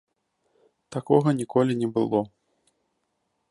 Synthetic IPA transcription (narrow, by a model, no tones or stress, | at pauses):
t̪akɔɣɐnʲikɔlʲinʲɛbɨlˠɔ